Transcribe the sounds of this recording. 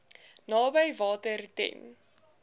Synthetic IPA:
nɑːbəjvɑːtərtɛ̰n

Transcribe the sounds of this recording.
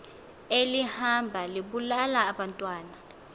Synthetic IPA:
elihambʱaliɓulalaːɓantʼwaːna

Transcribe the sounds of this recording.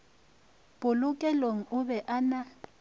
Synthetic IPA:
b̥ʊlʊkʼɛloŋ̩ʊbɛʔana

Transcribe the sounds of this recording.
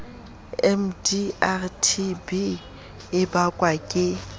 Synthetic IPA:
ɛmdiartʰibi | ɪbakʼwakʼɪ

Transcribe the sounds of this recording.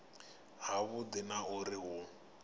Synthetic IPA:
ɦaβʊdɪnaʊrɪɦʊ

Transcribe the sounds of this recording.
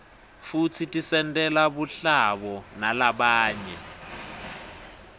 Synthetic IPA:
fut͡sʰitisɛntɛlaβuɬaβɔnalaɓaːɲɛ

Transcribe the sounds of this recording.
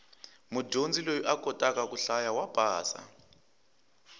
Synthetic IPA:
muɟʱond͡zʱilojuʔakʰʼɔtʼak̬ʼak̬ʼuɬajawab̥ʱaːsa̰

